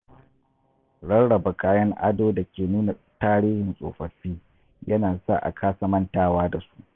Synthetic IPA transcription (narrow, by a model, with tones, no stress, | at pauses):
ɽɐ˦nɽɐ˨ba˨kaː˦jɐ˦ŋʔa̰˦doː˦da˨kʲeː˨nuː˦na˨ | taː˦ɾiː˦hɪ˨nsʼo̰ː˨ɸɐ˨ɸiː˦ | jɐ˦naː˨sa̰˦˨ʔa̰˨kʰaː˦sɐ˦mɐ˦ntaː˦waː˦da˨su̥˦ʔ